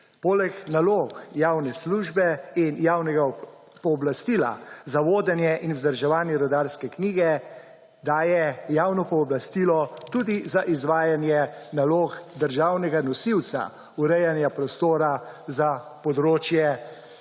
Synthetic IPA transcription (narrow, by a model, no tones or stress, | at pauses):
poːlɛknaloːxjaːwnɛsluʒbɛinjawnɛɡa | pɔːblast̪ila̰zaʋoːd̪ɛnjɛʔinwzd̪əɾʒɛʋaːnjɛɾɔd̪aːɾskɛkniːɡɛ | d̪aːjɛjaːwnɔpɔːblast̪iːlɔt̪uːd̪izaʔizʋaːjanjɛnaloːxd̪əɾʒawnɛɡanɔsiwt̪sa̰ | uɾɛjanjapɾɔst̪oːɾazapɔd̪ɾoːt͡ʃjɛ